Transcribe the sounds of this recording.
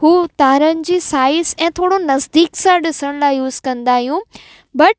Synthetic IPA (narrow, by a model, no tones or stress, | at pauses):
ɦuːt̪aːɾənɪ̆d͡ʑiːsaːɪsɛ̃ːt̪ʰoːɽonɐzd̪iːksãɗɪsəɽ̃laːɪjuːz̥kɐ̃nd̪aːɦijũ | bɐʈ